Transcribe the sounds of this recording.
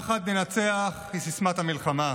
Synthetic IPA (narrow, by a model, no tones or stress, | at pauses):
χat̪nenat͡seaχisismathamilχama